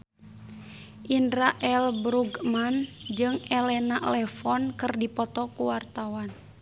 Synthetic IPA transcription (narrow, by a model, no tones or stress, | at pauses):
ʔindɾaʔɛlbɾuɡmand͡ʒɨŋɛlɛnalɛfɔnkɨrdipɔt̪ɔkuwart̪awan